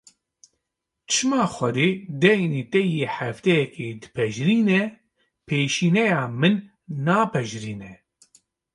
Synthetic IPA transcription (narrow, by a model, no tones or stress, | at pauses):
t͡ʃʰɨmaːxʷɛd̪eːd̪ɛjneːt̪ɛjeːħæft̪ɛjɛkeːd̪ɨ̥pʰɛʒɾiːnɛ | pʰeːʃiːnɛjaːmɨnː | aːpʰɛʒɾiːnɛ